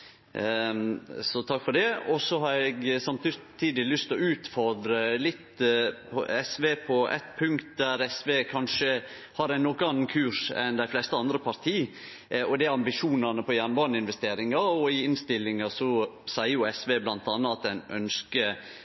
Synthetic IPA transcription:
sɔt̪ʰɑkːfɔɖ̪ɛɔsɔɦɑɾɛɡsɑmt̪t̪ʰiːd̪ɪlʏst̪ɔʉːt̪fɔɾd̪ɾəlɪt̪ːpʰɔ̰ɛsʋeːpʰɔʔɛ̰t̪pʰʉŋkt̪̚d̪æɾɛsʋeːkʰɑnʂə | hɑɾæɪnːɔkːəɑnːnkʰʉːʂɛ̰nd̪æɪflɛst̪əɑnd̪ɾəpʰɑɾt̪ʰiː | ɔd̪æɑmbɪʂuːnɑnəpʰɔjænʋɑːɾɳəɪnʋɛst̪eːɾɪŋɑɔɪɪnst̪ɪlːɪŋɑsɔsæɪəjʊɛsʋeːblɑnt̪ɑnːəɑt̪̚d̪ɛnʔœ̰nskə

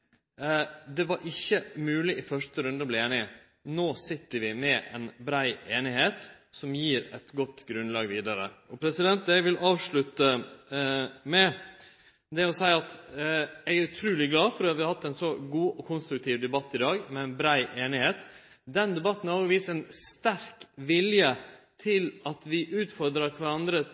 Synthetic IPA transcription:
d̪ɛʋɑɾʔɪçːəmʉːlɪʔɪfœʂʈəɾʉnd̪əblɪeːnɪ | noːsɪt̪ːəɾʋɪmɛʔɛ̰nbɾæɪeːnɪheːt̪ | sɔmjiːɾɛt̪ɡɔt̪ːɡɾʉnlɑːɡʋiːd̪ɑɾə̰ɔpʰɾɛsɪd̪ɛnt̪̚d̪æʋɪlʔɑːʋʂɭʉt̪ə | mɛ | d̪ɛɔsæɪɑt̪jæɡæɾʉt̪ʰɾʉːlɪɡlɑːfɔɾd̪ɛhɑʋɪhɑt̪ːɛnsɔɡuːʔɔkʰʊnst̪ɾʉk̚t̪ʰiːʋd̪ɛbɑt̪ːɪd̪ɑːɡmɛɛɪnbɾæɪʔeːnɪheːt̪ | d̪ɛnd̪ɛbɑt̪ːnɑːɡʋiːsɛnst̪æɾkʋɪljət̪ʰɪlɑt̪ʋɪʔʉːt̪fɔɾd̪ɾɑɾkʰʋɑɾɑnd̪ɾə

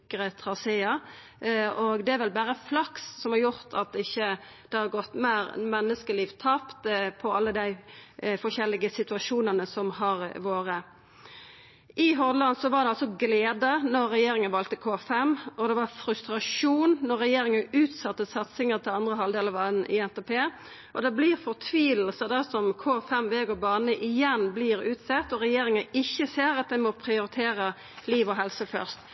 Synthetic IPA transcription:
kəʁət̪ʰʁɑseːɑ | ɔɡd̪ɛæɾʋɛlbæːʁəflɑkssɔmhɑɾjʊʁt̪ʰɑt̪̚ɪçːə | d̪̥ɛhɑɾɡɔt̪ːmæːɾmɛnːəskəliːʋt̪ʰɑːpt̪pʰɔɑlːəd̪æɪfɔʃɛlːɪɡəsɪt̪ʉɑʂuːnənəsɔmhɑʁʋoːʁə | ʔɪɦɔʁd̪lɑnsɔʋɑʁd̪ɛɑlsɔɡleːd̪ənɔʁːɛjeːɾɪŋənʋɑːlt̪əkʰoːfɛmʔɔd̪ɛʋɑʁfɾʉst̪ɾɑʂuːnnɔʁːɛjeːɾɪŋənʉːt̪sɑt̪ːəsɑt̪sɪŋəʁt̪ʰɪlɑnd̪ʁəɦɑld̪eːləʋɑːnn̩ʔɪ̰ɛnt̪ɛpʰeː | ʔɔd̪ɛbliːʁfɔʁt̪ʰʋiːll̩səd̪ɛsɔmkʰoːfɛmʋeːɡɔbɑːnəʔɪjɛnbliːɾʉːt̪sɛt̪ːɔɾɛjeːɾɪŋəɪçːəseːɾɑt̪̚d̪æɪmɔpʰɾɪʊɾɪt̪ʰeːɾə | liːʋɔɦɛlsəfœ̰ʁst̪

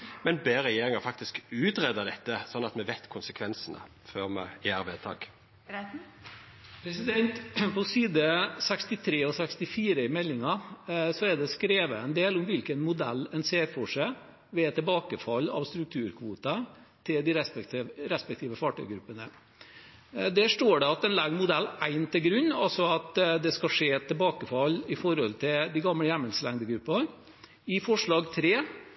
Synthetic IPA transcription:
mɛnbeːɾɛjeːɾɪŋɑfɑk̚t̪ɪskʉːt̪ɾed̪əd̪ɛt̪ːəsɔnːɑt̪mɛʋɛt̪kʰʊnsəkʰʋɛnsənə̰ | føːʁmɛ̰jæːæɾʋɛlt̪ʰɑ̰ːɡ̥ | pʰɾɛsɪd̪ɛnt̪pɔsiːd̪əsɛkst̪ɪt̪ʰɾeːɔsɛkst̪ɪfiːɾəɪmɛlːɪŋɑsɔæd̪ɛskɾeːʋəɛnd̪eːlʊmʋɪlkənmʊd̪ɛlːɛnseːɾfɔʂæɪ | ʋɛɛt̪ʰːɛbɑːkəfɑlːɑ̰ʋst̪ɾʉk̚t̪ʰʉːɾkʰʋuːt̪ə | t̪ʰɪld̪ɪɾɛsɾɛspɛk̚t̪ʰiːʋəfɑːʈœ̰ʏɡɾʉpːənə | d̪ɛʂʈoːɖɛɑt̪ɛnlæɡmʊd̪ɛlːæɪnt̪ʰɪlɡɾʉnːɑ̰lsɔɑt̪d̪ɛskɑʂeːɛt̪ʰːɛbɑːkəfɑlːɪfɔɾɔlt̪ʰɪld̪iɡɑmləjɛməlslɛŋd̪əɡɾʉpːɑ | ɪfɔʂɭɑːɡt̪ʰɾeː

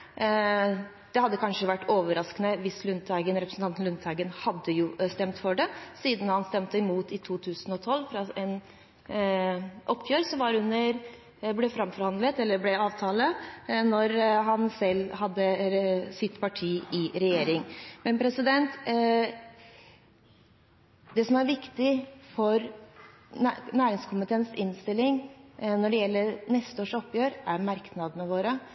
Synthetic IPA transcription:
d̪̥ɛhɑd̪ːəkʰɑnʂəʋæʈːoːʋəɾɑskənəʋɪslʉnt̪æɪɡənɾɛpɾəsn̩t̪ɑnt̪n̩lʉnt̪ʰhɑɪɡənhɑd̪ːəjʊst̪ɛmt̪fɔɖɛsiːd̪nhɑnst̪ɛmt̪əɪmuːt̪ɪt̪ʰuːt̪ʰʉːsənɔt̪ʰɔlːfɾɑʔɛn | ʔɔpːfjøːɾsɔmʋɑɾhʉnəɾ | blɛfɾɑmfɔɾhɑnd̪lət̪ɛlːəɾblɛɑːʋt̪ʰɑːlənɔɾɦɑnsɛlːhɑd̪ːəsɪt̪pɑʈʰiːʔɪɾɛjeːɾɪŋmɛnpʰɾɛsɪd̪ɛnt̪ | d̪ɛsɔmæɾʋɪkt̪ɪfɔɾ | næːɾɪŋskʰʊmpət̪ʰeːnsɪnːst̪ɪlːɪŋnɔɖɛjɛlːəɾnɛst̪əoːʂɔpːjøːɾʔæɾmɑɾknɑd̪ənəʋoːɾə

